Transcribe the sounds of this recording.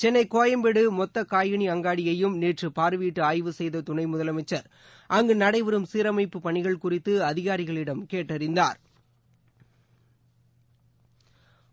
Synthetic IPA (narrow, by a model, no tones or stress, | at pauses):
t͡ʃɛnːɐɪkoːjɐmbɛɽɯmɔt̪ːɐkaːjɐɳiɐŋɡaːɽɪjɐjɯmniːʈrɯpaːɾɯʋiːʈːɯaːjʋɯsɛjðɐt̪ʊɳɐɪmʊðɐlɐmɐɪt͡ʃːɐɾ | ʔɐŋɡɯnɐɽɐɪʋɪɾɯmsiːɾɐmɐɪpːɯpɐɳɪɣɐɭkʊrɪt̪ːɯɐðɪɣaːɾɪɣɐɭɪɽɐmkeːʈːɐɾɪnd̪aːɾ